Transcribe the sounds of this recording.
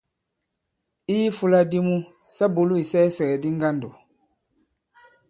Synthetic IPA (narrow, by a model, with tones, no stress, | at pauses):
i˦ji˦fu˦la˦di˦mu˦ | sa˦bo˨lu˦i˨sɛː˦sɛ˨ɛ˨di˦ŋ˦ɡa˦ndo˨